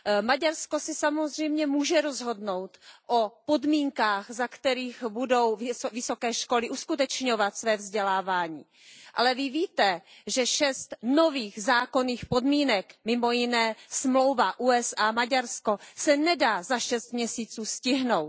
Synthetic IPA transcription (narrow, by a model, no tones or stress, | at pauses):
maɟaɾsko̞sɪsamozr̝ɛjmɲɛmuːʒɛɾo̞zɦo̞dno̞wt̪ʔopo̞dmiːŋkaːxzakt̪ɛɾiːxbudo̞wvɪso̞kɛːʃko̞lɪʔuskut̪ɛt͡ʃɲovat̪svɛːvzɟɛlaːvaːɲiː | ʔa̰lɛvɪviːt̪ɛʒɛʃɛst̪no̞viːɣzaːkoniːxpo̞dmiːnɛkmɪmo̞jɪnɛːsmlo̞wvaʔuːɛsʔaːmaɟaɾsko̞sɛnɛdaːzaʃɛst̪̚mɲɛsiːt͡suːscɪɦno̞wt